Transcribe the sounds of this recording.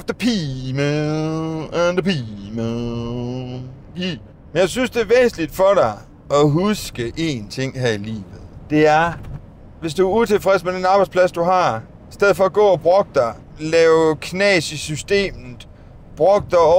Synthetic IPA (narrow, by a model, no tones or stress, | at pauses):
fd̥ɐpʰimə | nd̥ɐpimə | i | menjɑ̈ɪsynsd̥e̝ɐʋɛːsn̩lid̥fɒ̽ɾɑ̈ɪ | ʔɒɦusɡ̥əʔe̝nt͡sʰe̝ŋ̰ɦæɐ̰ilḭːʋð̩ˠd̥e̝æɐ | ʋe̝s̬d̥uæɐut͡sʰe̝lfʁɛsmed̥enɑ̈ːb̥ɑɪdspʰlæsd̥uɦɑ̈ | isd̥eð̰ˠfɒ̽ːɡ̥ɔ̰̽ːɒb̥ʁɔ̽ɡ̥əd̥ɑɪ | lɛːʊkʰnɛːsisysd̥e̝̰ːmð̩ˠ | b̥ʁɔ̽ɡ̥̚d̥ɑ